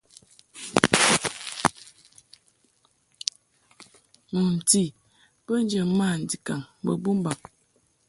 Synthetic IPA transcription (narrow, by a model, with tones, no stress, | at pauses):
mə˨m̩˨ti˦˨ | b̥ə˦n˦d͡ʒə˨˦ma˦˨n̩˨di˨ka˨ŋbə̰˨bu˦m˦ba˨ŋ